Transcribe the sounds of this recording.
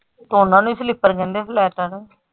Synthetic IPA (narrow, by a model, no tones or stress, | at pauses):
t̪oʊnãːnũːslɪpːəɾkɛ̃ːnd̪eːplɛːʈəɾ